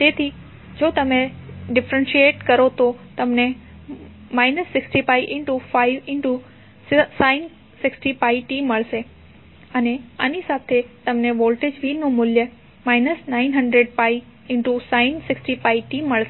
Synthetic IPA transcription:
t̪eːt̪ʰi | d͡ʑoːt̪ɐmẽɖɪfɾə̃nʃieːʈkɐɾot̪ʰot̪ɐmnẽ | maːɪnəsːɪksʈipaːiʔɪ̃ɳʈufaːɪʋɪ̃ɳʈu | saːɪn | sɪksʈipaːiʈiːmːɐɭse | ɐnẽɐnisaːt̪ʰet̪ɐmnẽʋoːlʈeːd͡ʑʋiːnũmʊljə | maːɪnəsnaːɪnɦɐ̃ɳɖɾeɖ̚paːi | ɪ̃ɳʈusaːɪnsɪksʈipaːiʈiːmːɐɭse

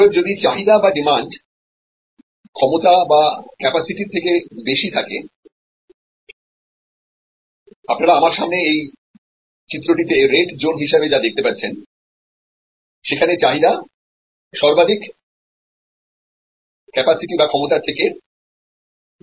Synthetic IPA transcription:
eɾd͡ʑod̪it͡ɕaɦid̪abaɖimaɳɖ | kʰɔmot̪abakɛpasiʈiɾt̪ʰekebeʃit̪ʰake | apnaɾaamaɾʃamneej | t͡ɕit̪ːɾoʈit̪eɾeʈd͡ʑonɦiʃabed͡ʑad̪ek̚t̪epaɾt͡ɕʰen | ʃekʰanet͡ɕaɦid̪a | ʃɔɾbad̪ik | kɛpasiʈibakʰɔmot̪at̪ʰeke

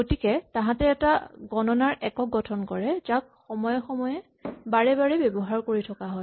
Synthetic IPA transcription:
ɡotikɛtãɦãtɛːtaɡɔnɔnaɹʔɛkɔɡɔtʰɔnkɔɹɛzak̚xɔmɔjɔxɔmɔjɛ | baɹɛbaɹɛbebɔɦaɹkoɹitʰɔkaɦɔj

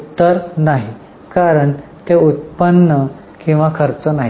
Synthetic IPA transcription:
t̪ːəɾnaɦi | kaɾəɳt̪eut̪̚pənːə | kĩw̃ʋakʰəɾt͡sənaɦi

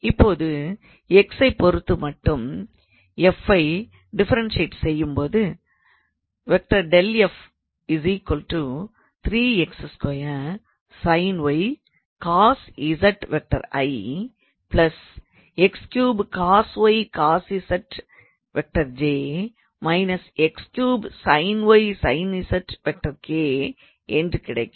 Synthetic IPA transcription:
ɪpːoːðɯ | ɛksɐɪpɔɾɯt̪ːɯmɐʈːɯm | ɛfɐɪ | ɖɪfɐɾɐnseːʈsɛjːɯmpoːðɯ | ʋɛk̚ʈɐɾɖɛlɛf | ɪziːkʋɐlʈu | t̪ʰɾiːɛksɐskojɐ | sɐɪnʋɐɪ | kaːsɪsɐʈʋɛk̚ʈɐ̰ɾɐ̰ɪ | plɐs | ɛkskjuːbkaːsʋɐɪkaːsisɐʈ | ʋɛk̚ʈɐɾd͡ʒeː | mɐɪnɐsɛkskjuːbsɐɪnʋɐɪsɐɪnisɐʈʋɛk̚ʈɐɾkeː | ɛndrɯkɪɽɐ̰ɪkː

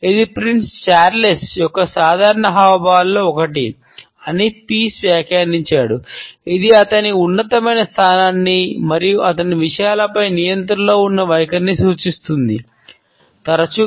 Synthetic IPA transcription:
id̪ipɾinst͡ʃaːɾlesjɔkːɐsaːd̪ʱaːɾɐɳɐɦaːʋɐbʱaːlːoːɔkɐʈi | ɐnipiːsʋjaːkjaːniɲt͡ʃaːɽuid̪iɐt̪ɐniunːɐt̪ɐmɐjnɐst̪ʰaːnaːnːimɐɾijuʔɐt̪ɐniʋiʂɐjaːlɐpɐjnijɐnt̪ɐɾɐlo̞ːunːɐʋɐjkɐnːisuːt͡ʃist̪und̪i | t̪ɐɾɐt͡ʃu

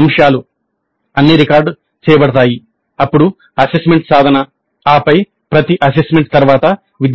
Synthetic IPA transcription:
mʂaːlu | ɐnːiɾikaːɾɖ | t͡ʃɛːjɐbɐɽɐt̪aːji | ɐpːuɽu | ɐsesmeɳʈsaːd̪ʱɐnɐ | aːpɐj | pɾɐt̪iʔɐs̬esmeɳʈ̚t̪ɐɾʋaːt̪ɐ | ʋid̪

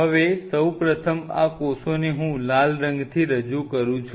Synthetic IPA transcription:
ɦəʋesəwpɾət̪ʰəma̰kosoneɦũlalɾə̃ŋɡt̪ʰiɾəd͡ʒukəɾũt͡ʃʰ

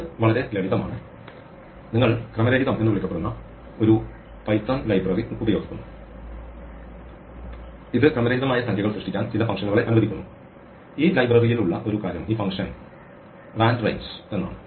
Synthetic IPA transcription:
ʋɐɭɐɾe̞leɽiðɐma̰ːɳɨ | niŋːɐɭkrɐmɐɾeɾiðɐmʔenuʋɐɭikʲːɐpːeɽunːɐ | o̞ɾu | pɐjt̪ːoːnlɐjbrɐriubɐjo̞ːɡikʲːunːu | iðɨkrɐmɐɾeːiðɐmaːjɐt̪ɐŋɡɐɣɐɭsrɨʂʈikʲːaːnt͡ɕilɐfɐŋʂɐnːuɣɐɭe̞ʔɐnuʋɐðikʲːunːu | iːlɐjbrɐrijiluɭːɐʔo̞ɾukaːɾjɐmiːfɐŋʂɐn | raːnɖrɐ̰jnse̞nːa̰ːɳɨ

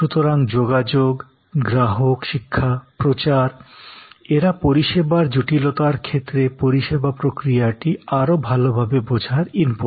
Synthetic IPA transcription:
ʃut̪oɾaŋd͡ʑoɡad͡ʑoɡ | ɡɾaɦokʃikʰːapɾot͡ɕaɾ | eɾapoɾiʃebaɾd͡ʑuʈilot̪aɾkʰet̪ːɾepoɾiʃebapɾokɾijaʈiaɾobʱalobʱabebod͡ʑʱaɾimpu

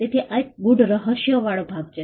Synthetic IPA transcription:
t̪et̪ʰiʔaek̚ɡuɖɾəɦəɾʃjəʋaɭobʱaɡt͡ʃʰe

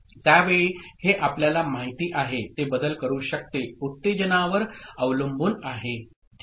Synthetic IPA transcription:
t̪jaʋeɭiːheʔapljalamaɦit̪iːʔaɦet̪ebəd̪əlkəɾuːɕək̚t̪eut̪ːed͡ʑənaʋəɾəʋləmbuːnaɦe

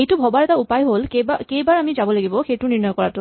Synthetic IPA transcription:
ejtʊbʱɔbaɹɛtaupajɦolkebakejbaɹamizabɔlaɡibɔxejtʊniɹnɔjɔkɔɹatʊ

